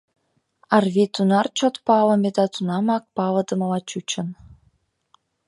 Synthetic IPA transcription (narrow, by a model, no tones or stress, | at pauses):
ɑrβit̪unɑrt͡ɕot̪pɑlə̆mʲed̪ɑt̪unɑmɑk̚pɑləd̪ə̆mlɑt͡ɕut͡ɕə̆n